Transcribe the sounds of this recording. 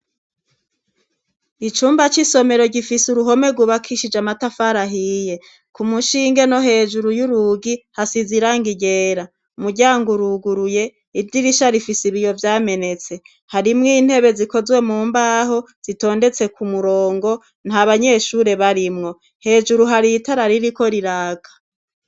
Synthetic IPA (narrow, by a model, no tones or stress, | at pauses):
it͡ʃuːmbat͡ʃiso̞me̞ɾo̞ɟifisuɾuɦo̞me̞ɡuβakʰiʃid͡ʒamatafaɾaɦije̞ | kumuʃiːŋɡeno̞ɦe̞ːʒuɾujuɾuɡihasiziɾaŋɡiɟe̞ːɾa | umuɾɟaːŋɡuɾuɡuɾuje̞ | ivdiɾiʃaɾifisiβijo̞vjaːme̞ne̞t͡se̞ | haɾimŋiːn̥he̞βe̞ziko̞zwe̞muːmbaːɦo̞ | z̥ito̞ːnde̞t͡se̞kumuɾo̞ːŋɡo̞ | nhaβaɲe̞ːʃuːɾe̞βaɾimŋo̞ | he̞ːʒuɾuɦaɾitaɾaɾiɾiko̞ɾiɾaːɡ̥a